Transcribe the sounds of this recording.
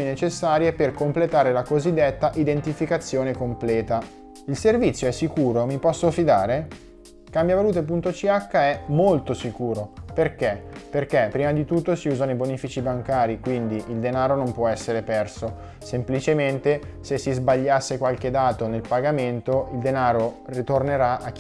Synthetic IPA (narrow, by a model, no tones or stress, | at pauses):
inet͡ʃesːaːɾjeperkomplet̪aːɾelakozid̪ːet̪ːaʔid̪ent̪ifikat̪sːjoːnekomplɛːt̪a | ilservit̪sːjoɛsːikuːɾomipɔsːofid̪aːɾe | kambjavaluːt̪̬ep̬unt̪ot͡ʃiakːaɛmolt̪osikuːɾoperk̟eperkepːɾiːmad̪it̪ut̪ːosiuːzanojbonifit͡ʃibaŋkaːɾikwind̪iʔild̪enaːɾonompwɔɛsːeɾepɛrso | semplit͡ʃement̪e | sesːizbaʎːasːekwalked̪aːt̪onelpaɡament̪oild̪enaːɾorit̪orneɾaʔakː